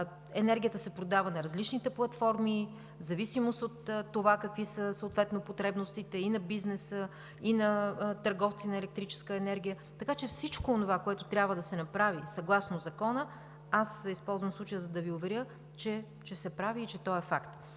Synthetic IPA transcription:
ɛnɛɾɡʲijət̪əsɛpɾod̪avənɐɾɐzlit͡ʃnit̪ɛplˠɐt̪fɔɾmi | zɐvisimost̪ot̪t̪ːovakəkvisəsəot̪vɛt̪nopot̪ɾɛbnost̪it̪ɛinɐbiznɛsə | inɐt̪əɾɡɔft̪sinɐɛlɛk̚t̪ɾit͡ʃɛ̥skəɛnɛɾɡ̟ʲijə | t̪ɐkat͡ʃɛfsit͡ʃkoːnovakoɛt̪ot̪ɾʲjabvəd̪ɐsɛnɐpɾavisɐɡlˠasnozɐkɔnə | asispɔlˠzvəmslˠut͡ʃəjəzɐd̪ɐviovɛɾʲjə | t͡ʃɛ | t͡ʃɛsɛpɾaviːt͡ʃɛt̪ɔɛfakt̪

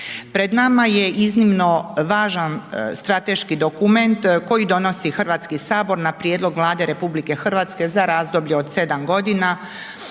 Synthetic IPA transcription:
pɾe̞d̪namaje̞ʔiznimno̞ʋaːʒanst̪ɾat̪e̞ʃkid̪o̞kume̞nt̪ko̞jid̪o̞no̞sixr̩ʋaːt̪skisaːbo̞ɾnapɾijed̪lˠo̞ɡʋlˠaːd̪e̞ɾe̞publike̞xr̩ʋat̪ske̞zaɾaːzd̪o̞bʎeod̪se̞d̪amɡo̞d̪ina

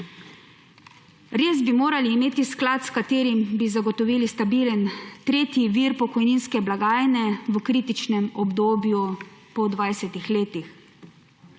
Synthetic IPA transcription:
ɾeːzbimoːɾaliːmeːt̪isklat̪skat̪eːɾimbizaɡɔt̪ɔʋiːlist̪abiːlənt̪ɾeːt̪jiʋiːɾpɔkɔjniːnskɛblaɡaːjnɛʋəkɾiːt̪it͡ʃnɛmɔbd̪oːbjupɔd̪ʋajsɛt̪ixleːt̪ix

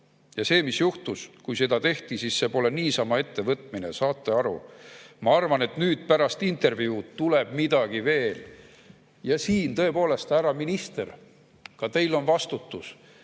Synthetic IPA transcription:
jɑse̞ːmisjuht̪uskujse̞d̪̥ɑt̪e̞ht̪isiːsse̞po̞le̞niːsɑmɑe̞t̪ːe̞vɤt̪ˑmine̞̰sɑːt̪ːe̞ɑɾṵmɑɑrvɑne̞t̪nyːd̪̥̚pæɾɑst̪int̪ˑe̞rvjut̪ule̞b̥̚mid̪̥ɑɡ̥ive̞ːl | jɑsiːnt̪ɤ̞e̞po̞ːle̞st̪æɾɑminist̪e̞r | kɑt̪e̞jlo̞nvɑst̪ut̪ːˑus

